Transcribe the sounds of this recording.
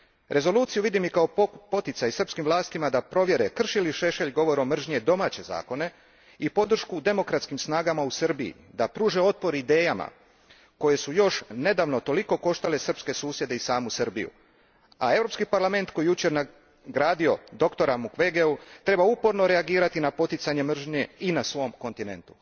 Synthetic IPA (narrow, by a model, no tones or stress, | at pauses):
ɾʔe̞zo̞luːt̪sijuʋid̪imikaopo̞t̪it̪sajsr̩pskimʋlˠaːst̪imad̪apɾo̞ʋje̞ɾe̞kr̩ʃiliʃe̞ʃe̞ʎɡo̞ʋo̞ɾo̞mr̩ʒɲe̞d̪o̞maːt͡ɕe̞za̰ːko̞ne̞ | ipo̞d̪r̩ʃkud̪e̞mo̞kɾat̪skimsnaːɡamausrbiḭ | d̪apɾuːʒe̞o̞t̪̚po̞ɾid̪e̞ːjama̰ | ko̞je̞sujo̞ʃne̞d̪aʋno̞t̪o̞liko̞ko̞ʃt̪ale̞sr̩pske̞suːsje̞d̪eisaːmusɨr̩bḭjṵ | a̰e̞vɾo̞pskipaɾlˠame̞nt̪ko̞jijut͡ɕe̞ɾna | ɡɾaːd̪io̞d̪o̞kt̪o̞ɾamukʋeɡeut̪ɾe̞baupo̞ɾno̞ɾe̞aɡiːɾat̪inapo̞t̪it̪saɲe̞mr̩ʒɲe̞inasʋo̞mko̞nt̪ine̞̰nt̪u̥